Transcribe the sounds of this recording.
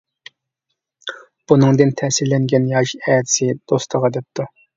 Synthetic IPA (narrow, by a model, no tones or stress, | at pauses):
b̥unɨŋd̪ɨnt̪ʰɛsilːɛŋɡʲɛnjɑʃɛt̪sɪd̪̥ost̪ʰəʁɑd̪ɛp̚t̪ʰu